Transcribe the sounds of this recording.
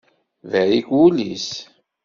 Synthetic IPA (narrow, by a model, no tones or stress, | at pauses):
væikulis